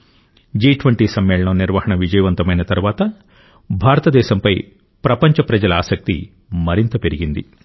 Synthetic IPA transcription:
d͡ʒiːʈʋɐɳʈiːsɐmːɛːɭɐɳɐmniɾʋɐɦɐɳɐʋid͡ʒɐjɐʋɐnt̪ɐmɐjnɐt̪ɐɾuʋaːt̪ɐ | bʱaːɾɐt̪ɐd̪ɛːʃɐmpɐj | pɾɐpɐɲt͡ʃɐpɾɐd͡ʒɐlɐaːsɐk̚t̪ḭ | mɐɾint̪ɐpeɾiɡind̪ḭ

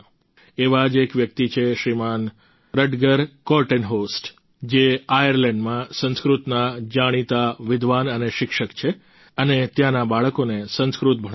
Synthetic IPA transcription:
eʋad͡ʒekʋjək̚t̪it͡ʃʰeʃɾiman | ɾəɖɡəɾkɔʈenɦosʈ | d͡ʒeajəɾlɛɳɖmãsə̃nskɾut̪nad͡ʒaɽ̃it̪aʋɪd̪ʱʋanəneʃɪkʃəkt͡ʃʰe | ənet̪jãnabaɭəkonesə̃nskɾut̪̚bʱəɽ

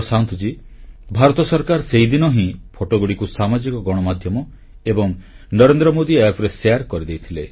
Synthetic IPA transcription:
sant̪ud͡ʒi | bʱaɾɔt̪ɔsɔɾkaɾseɦid̪inɔɦĩpʰoʈoɡuɽikusamad͡ʒikɔɡɔɽ̃ɔmad̪ʱjɔmɔ | ebɔŋ | nɔɾend̪ɾɔmod̪iepʰɾeseaɾkɔɾid̪ejt̪ʰile

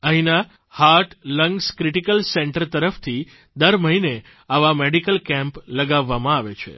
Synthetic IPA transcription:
əɦĩna | haɾʈləŋɡskɾiʈikəlsɛɳʈəɾt̪əɾəft̪ʰi | d̪əɾməɦine | aʋameɖikəlkɛ̃mpləɡaʋːamãaʋet͡ʃʰḛ

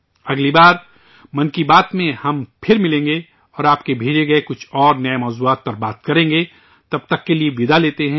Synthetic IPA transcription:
ɐɡlibaːɾ | mɐnkibaːt̪mẽhɐmpʰɪɾmɪlẽːŋɡe | ɔːɾaːp̚kebʱeːd͡ʒeɡɐekʊt͡ʃʰɔːɾnɐemɔːzuaːt̪̚pɐɾbaːt̪kɐɾẽːŋɡeː | t̪ɐb̚t̪ɐkːelieʋɪd̪aleːt̪eɦɛ̃ː

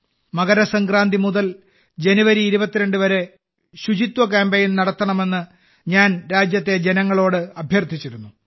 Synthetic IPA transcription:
mɐɣɐɾɐsɐŋɡraːnd̪ʱimuðɐl | d͡ʑe̞nuʋɐɾiːɾubɐt̪ːiɾe̞ɳɖɨʋɐɾe̞ | ɕud͡ʑit̪wɐk̬aːmbeːjnnɐɽɐt̪ːɐɳɐme̞nːɨ | ɲaːnɾaːd͡ʑjɐt̪ːe̞d͡ʑe̞nɐŋːɐɭo̞ːɽɨɐbʱjɐrt̪ʰit͡ɕːiɾunːu

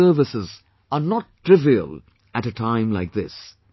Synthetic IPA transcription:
ə˞vɪsɪz | ənɔʈʰɹ̥ɪviə̰l | æɾɨtʰãɪ̃mlaɪk̚ðɪs

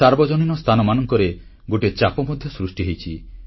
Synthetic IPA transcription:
aɾbɔd͡ʒɔninɔst̪ʰanɔmanɔŋkɔɾe | ɡoʈet͡ʃapɔmɔd̪ʱjɔsɾusʈiɦejt͡ʃʰi

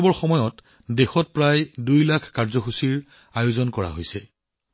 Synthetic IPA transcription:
bɔɹxɔmɔjɔt | dexɔt̚pɹajdujlakʰkaɹzɔxusiɹ | ajozɔnkɔɹa̰ɦojsɛ

